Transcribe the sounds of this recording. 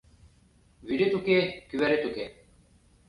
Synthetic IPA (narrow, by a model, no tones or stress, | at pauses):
ʋiɖet̪ukekiʋɐɾet̪uke